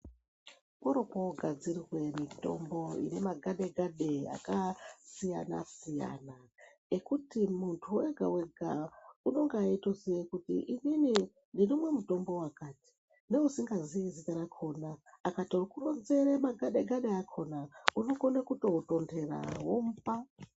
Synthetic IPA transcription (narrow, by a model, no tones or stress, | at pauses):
poɾo̞poɡʱad͡zirirwe̞mito̞̰mbo̞ḭnemaɡʱaɗe̞ɡʱaɗea̰kasija̰na̰sija̰ːna | ekutimuntʰuweɡʱa̰we̞ɡʱa̰uno̞ŋɡaitoziekutḭʔinini | ndinomwe̞muto̞mbo̞wakaːti̥ | ne̞usiŋɡaziizitaɾakʰo̞naːkatorokuronzeɾemaɡʱaɗeɡaɗe̞akʰo̞naunoɡonekuto̞uto̞ndʰe̞ra̰womupa